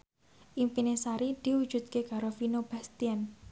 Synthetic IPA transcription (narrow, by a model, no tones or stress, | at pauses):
ʔimpinesaɾid̪̥i̤wud̥d͡ʒ̥ṳt̪̚keɡ̥a̤ɾofinob̥a̤st̪ian